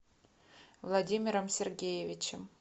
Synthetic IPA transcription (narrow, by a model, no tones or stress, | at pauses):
vlˠadʲimʲiɾəmsʲerɡʲejevʲit͡ɕɪm